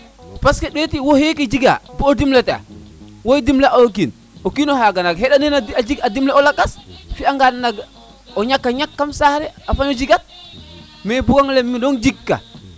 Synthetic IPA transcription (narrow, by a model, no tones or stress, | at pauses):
paskɛɗɔtiwɔhekɛd͡ʒiɡa̰bɔodimlata̰ | wojdimlaʔak̬in | okinɔhaɡanaɡhɛɗanɛnad͡ʒiɡadimlaɔlakːasfiaŋɡadnaɡ | ɔɲakːaɲakːamsaɾɛafaɲɔd͡ʒiɡat̚ | mɛbuɡaŋlɛmːiɗɔnd͡ʒikːa̰